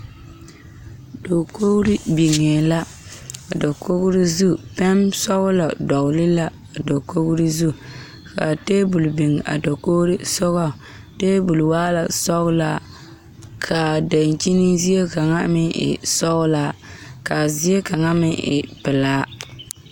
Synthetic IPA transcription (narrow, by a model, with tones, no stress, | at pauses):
do˨ko˦ɣɾɪ˦bi˨ŋe˨la˦ | a˨dɔ˨ko˦ɣɾi˦zu˦pɛ˦msɔ˦ɣʊ˦la˨dɔ˨ɣʊ˨lɪ˦la˦ | a˨do˨ko˦ɣɾi˦zu˦ | ka̰˨teː˦bu˨lbi˨ŋ˨a̰˨do˨ko˦ɾi˦sɔ˦ɣɔ˦˨ | teː˦bu˨lwaː˦la˨sɔ˦ɣʊ˦la˦ | kʰa˨da˨nt͡ʃi˦ni˦zi˦je˦ka˨ŋa̰˦mɪ˦ʔɪ̰˨sɔ˦ɣʊ˦la˦˨ka˨zi˦e˦ka˨ŋa˦mɪ˦ʔɪ̰˨pɪ˨laː˦